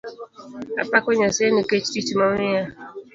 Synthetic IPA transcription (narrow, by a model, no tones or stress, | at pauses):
a̰pakɔɲasɛniket͡ʃtit͡ʃimanija